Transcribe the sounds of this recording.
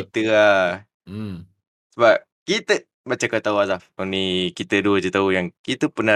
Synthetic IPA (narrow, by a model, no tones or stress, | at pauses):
it̪əa | səbap̚kit̪ə | bat͡ʃakat̪auazafonikit̪əduəd͡ʒət̪aujaŋkit̪upəna